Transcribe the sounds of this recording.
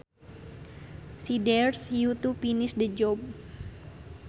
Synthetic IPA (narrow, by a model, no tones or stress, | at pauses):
sidɛrsjut̪upinɪsdəd͡ʒɔb̚